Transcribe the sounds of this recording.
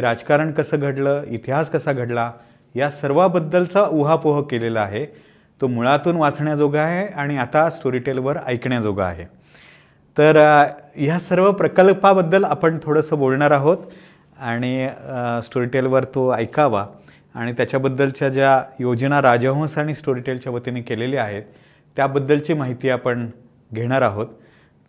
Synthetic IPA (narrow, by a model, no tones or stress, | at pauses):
iɾad͡zkaɾəɳkəsəːɡʱəʈləːit̪iɦaskəsaɡʱəʈla | jasəɾʋabəd̪ːəlt͡səuɦapuɦəkːeleləaɦe | t̪omuɭat̪uːnʋat͡sɳjad͡zoɡʱaːɦeaɽ̃iat̪asʈoɾiʈelʋəɾəjkɳjad͡zoɡʱa̰ːɦe | t̪əɾjasəɾʋəpɾəkəlpabəd̪ːəlapəɳt̪ʰoɽəsəːbolɳaɾaɦot̪ | aɽ̃isʈoɾiʈelʋəɾt̪oəjkaʋa | aɽ̃it̪jat͡ɕjabəd̪ːəlt͡ɕjad͡ʑjajod͡ʑnaɾad͡ʑəɦõsaɽ̃isʈoɾiʈelt͡ɕjaʋət̪inekeleliːaɦet̪ː | jabəd̪ːəlt͡ɕiːmaɦit̪iːapəɳ | ɡʱeɽ̃aɾaɦot̪